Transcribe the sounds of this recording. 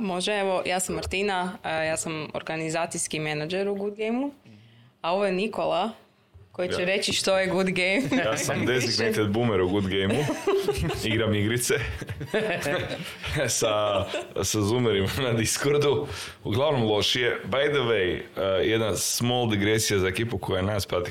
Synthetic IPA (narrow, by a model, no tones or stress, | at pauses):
mo̞ʒeeʋo̞jaːsamːaɾt̪inajaːsamo̰ɾɡanizaːt̪sijskimenad͡ʒeɾuɡud̪̚ɡejmu | ao̞ʋojeniko̞lˠa | kojit͡ʃeɾe̞t͡ɕiʃt̪ojeɡud̪ɡejmjasamd̪eziknet̪ed̪bumeɾuɡud̪ɡejmu | iɡɾamiɡɾit̪se | sa | sazumeɾimanad̪iskoɾd̪u | uɡlˠaʋno̞mlˠo̞ʃije̞bajd̪əʋejjed̪nasmolˠd̪iɡɾesijazaekipukojanaspɾat̪i